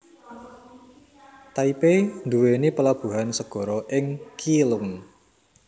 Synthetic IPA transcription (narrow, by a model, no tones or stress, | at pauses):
t̪aipend̪uwenipəlab̥ṳɦansəɡ̥ɔ̤ɾɔʔɪŋkilʊŋ